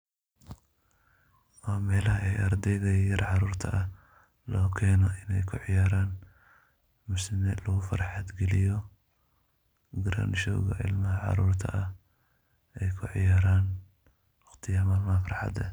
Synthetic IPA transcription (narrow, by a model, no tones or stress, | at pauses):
waːmɛːlɐɦɐɛjɐɾd̪ɛjðɐjɐɾʕɑɾuːrt̪ʰɐʔɐ | lɔːkʰɛːnɔʔɪnɛjkʰʊʕɪjaːɾaːn | mʊsɪmɛːd̪lɐɣʊfɐ̰ɾħɑd̪ɡɛlɪjɔ | ɡɐɾa̰ːnʃɔ̰ːɣɐ̰ʕɪ̰lnɐɦɐʕɑ̰ɾuːrt̪ʰɐ̰ʔɐ | ɛjkʰʊʕɪ̰jaːɾaːn | wɑqt̪ʰɪjɐmaːlmaːfɑrħɑ̰d̪ɐ̰